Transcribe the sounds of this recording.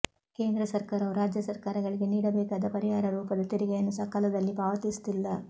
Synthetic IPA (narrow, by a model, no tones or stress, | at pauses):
ke̞ːnd̪ɾɐsɐɾkaːɾɐʋuɾaːd͡ʒjɐsɐɾkaːɾɐɡɐɭiɡe̞niːɽɐbɛːkaːd̪ɐpɐɾiɦaːɾɐɾuːpɐd̪ɐt̪iɾiɡejɐnːusɐkalɐd̪ɐlːipaːʋɐt̪ist̪ilːɐ